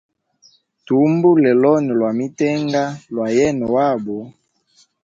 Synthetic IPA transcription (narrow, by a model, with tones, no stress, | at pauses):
tu˨˦mbu˦lɛ˨lɔ˦nɛ˨lwa˨mi˦tɛ˦ŋɡa˦lwa˨jɛ˦nɔ˨wa˦˨bɔ˨